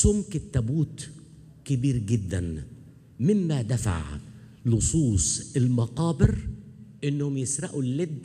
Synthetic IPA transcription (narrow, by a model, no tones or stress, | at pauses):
sʊmkɪt̪ːæbuːt̪ | kɪbiːɾɡɪd̪ːæn | mɪmːæd̪æfa̰ʕ | lʊsˤuːsˤɪlmɑqɑːbɪɾʔɪnːhʊmjɪsɾˤɑʔulːɪd̪ː